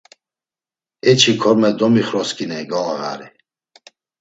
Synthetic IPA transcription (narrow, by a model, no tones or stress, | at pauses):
ɛt͡ʃʰikʰɔɾmɛd̪ɔmiχɾɔskʼinɛjɡɔaɣa̰ɾi